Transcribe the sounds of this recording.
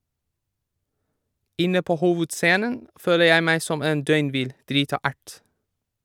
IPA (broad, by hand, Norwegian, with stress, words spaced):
ˈɪnə ˈpoː ˈhuːʋʉdˌseːnən ˈføːlə ˈjæɪ ˈmæɪ ˈsɔm ˈeːn ˈdœʏnˌʋɪl ˈdɾiːtɑ ˈæʈ